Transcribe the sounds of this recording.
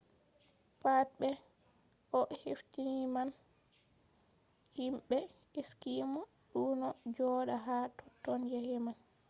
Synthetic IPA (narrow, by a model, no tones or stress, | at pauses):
pat̚ɓɛ | ʔɔheftiniman | himɓɛ | eskimɔ | ɗunɔd͡ʒɔːɗaɦatʰɔ̥tːɔnjahɛman